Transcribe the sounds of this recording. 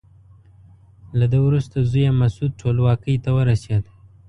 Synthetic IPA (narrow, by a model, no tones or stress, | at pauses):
lad̪əwɾust̪azujamasud̪̚ʈʰolwɑkəjt̪awəɾased̪